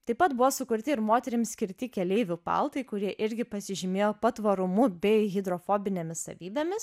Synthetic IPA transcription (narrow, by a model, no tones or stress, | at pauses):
t̪ɐɪpɐt̪bʊʋoːsʊkʊɾʲt̪ʲɪɪɾmoːt̪ʲɛɾʲɪmsʲkʲɪɾʲt̪ʲɪkʲɛlʲɛɪʋʲʊpɐ̰lˠt̪ɐɪkʊɾʲiɛʔɪɾʲɡʲɪpɐsʲɪʒʲɪmʲeːjoːpɐt̪ʋɐɾʊmʊbʲɛɪɣʲɪd̪ɾofoːbʲɪnʲemʲɪssɐ̰ʋʲiːbʲemʲɪs